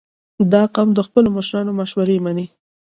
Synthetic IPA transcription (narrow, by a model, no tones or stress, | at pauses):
d̪ɑqɑmd̪əxpəlomaʃɾɑnomaʃwaɾemani